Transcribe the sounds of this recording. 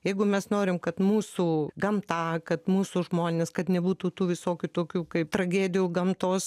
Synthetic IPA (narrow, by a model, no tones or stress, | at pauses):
jɛɪɡʊmʲɛsnoːɾʲɪmkɐt̪muːsuːɡɐmt̪ɑːkɐt̪muːsʊʒmoːnʲeːskɐt̪nʲɛbuːt̪uːt̪uːʋʲɪsoːkʲʊt̪oːkʲuːkɐɪp̚t̪rɐɡʲæːd̪ʲɪjuːɡɐmt̪oːs